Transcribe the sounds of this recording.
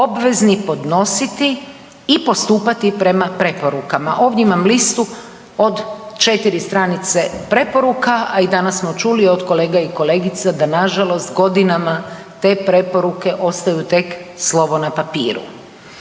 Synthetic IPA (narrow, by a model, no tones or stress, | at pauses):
o̞bʋe̞znipo̞d̪no̞sit̪iː | po̞st̪uːpat̪ipɾe̞mapɾe̞po̞ɾukamaʔo̞ːʋdʲjeimamlist̪u | od̪t͡ʃe̞t̪iɾist̪ɾanit̪sepɾe̞po̞ɾukaaid̪anassmo̞t͡ʃuliod̪ko̞le̞ːɡaiko̞le̞ːɡit̪sad̪anaʒalˠo̞st̪ɡo̞d̪inama | t̪e̞ːpɾe̞po̞ɾuke̞ʔo̞st̪ajut̪e̞kslˠo̞ʋo̞napapḭːɾṵ